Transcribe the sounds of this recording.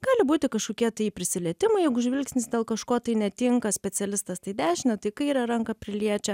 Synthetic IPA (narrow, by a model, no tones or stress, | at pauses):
ɡ̥ɑːlʲɪbuːt̪ʲɪkɐʃkoːkʲiɛt̪ɐɪpʲɾʲɪsʲɪlʲɛt̪ʲɪmɐɪjɛɪɡʊʒʲʋʲɪlʲksnʲɪsd̪ʲeːlˠkɐʃkoːt̪ɐɪnʲɛt̪ʲɪŋkɐsʲpʲɛt̪sʲɛlʲɪst̪ɐst̪ɐɪd̪ʲæːʃʲɪnʲɛt̪ɐɪkɐiɾɐɾɐŋkɐpʲɾʲɪlʲiɛt͡ʃʲɛ